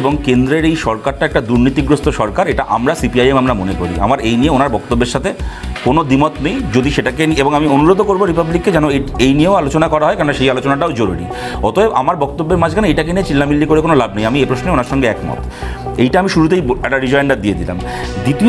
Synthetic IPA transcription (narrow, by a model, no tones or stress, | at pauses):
eboŋkend̪ɾeɾejʃɔɾkaɾʈaɛk̚ʈad̪uɾnit̪iɡɾost̪ʰoʃɔɾkaɾeʈaʔa̰mɾasipiajemamɾamonekoɾḭa̰maɾejnieonaɾbɔk̚t̪obːeɾʃat̪ʰekonod̪imot̪nejd͡ʑod̪iʃeʈakenieboŋamionuɾod̪ʱokoɾboɾipablikːed͡ʑɛnoeejnijeoalot͡ɕonakɔɾaɦɔekaɾonaʃejalot͡ɕonaʈaod͡ʑoɾuɾḭ | ɔt̪ʰoeʔa̰maɾbɔk̚t̪obːeɾmad͡ʑʱkʰanoejʈakeniet͡ɕilːamilːikoɾekonolab̚nejamiepɾosneonaɾʃɔŋɡeɛkmɔ̰t̪ | ejʈaamiʃuɾut̪̬ejɛk̚ʈaɾid͡ʑɔenɖad̪ied̪ila̰m | d̪it̪io